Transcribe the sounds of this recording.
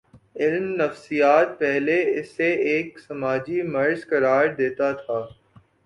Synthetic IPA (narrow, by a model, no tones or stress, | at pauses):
ɪlmnɐfsijaːt̪̚pɛɦleɪsːeeːksɐmaːd͡ʒimɐɾzkɐɾaːɾd̪eːt̪at̪ʰaː